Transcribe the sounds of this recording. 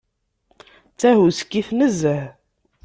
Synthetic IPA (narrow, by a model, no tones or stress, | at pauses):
t͡sːæhuskːiθnəzəh